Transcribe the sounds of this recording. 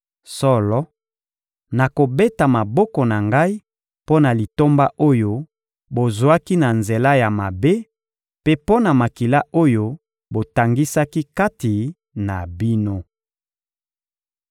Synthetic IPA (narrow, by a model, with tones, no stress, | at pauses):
sɔ˦lɔ˦ | na˨ko˨be˦ta˨ma˨bɔ˦kɔ˨na˨ŋɡa˦i˦ | po˦na˨li˨to˦mba˦ʔo˦jo˦ | bo˨zwa˦ki˦na˨nze˨la˦ja˨ma˨be˦ | pe˦po˦na˨ma˨ki˨la˦o˦jo˦ | bo˨ta˨ŋɡi˦sa˦ki˦ka˦ti˨ | na˨bi˦no˦